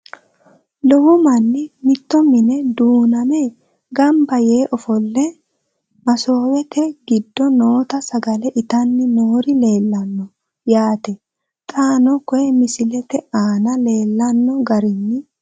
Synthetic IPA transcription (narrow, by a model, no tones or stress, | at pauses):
lɔwɔmɐnːɪmɪt̪ːɔmɪnɛd̪uːnɐme | ɡɐmbɐje̞ːʔɔfɔlːɛ | mɐso̞ːwɛt̪ɛɡɪd̪ːɔnoːt̪ɐsɐɡɐlɛʔɪt̪ɐnːɪnoːɾɪleːlːɐnːɔ | jaːt̪ɛ | t̪ʼaːnɔkɔjɛmɪsɪlɛt̪ɛaːnɐle̞ːlːɐnːɔɡɐɾɪnːɪ